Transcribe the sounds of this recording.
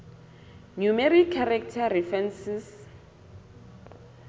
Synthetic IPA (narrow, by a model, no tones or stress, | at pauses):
numeɾiaɾak̚tʰarifɛnsis